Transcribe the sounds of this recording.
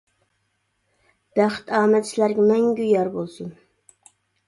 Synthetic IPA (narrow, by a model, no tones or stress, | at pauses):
b̥æχt̪ʰɑːmɛt̪t͡ʃʰilæɾɡʲɛmɛŋɡʲyjɑɾbolˠsun